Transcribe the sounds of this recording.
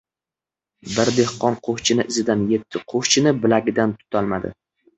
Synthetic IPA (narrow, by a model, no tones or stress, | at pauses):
bɪɾd̪e̞hqɒnqʰoχt͡ʃʰɪnɪʔɪzɪd̪anje̞t̪ʰːɪqʰoχt͡ʃʰɪnɪbɪlaɡʲɪd̪ant̪ʰʊ̥t̪ʰalˠmad̪ɪ̰